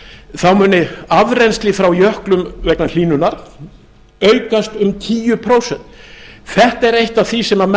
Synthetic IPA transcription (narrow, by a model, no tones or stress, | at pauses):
θawmʏːnɪavɾenst̪lɪfɾawjœhklʏmvɛknal̥iːnʏnaɾ̥ | œɥkast̪ʏmt̪ʰiːjʏpʰɾowsɛnt̪θɛht̪ɛɾejht̪aθisɛmːam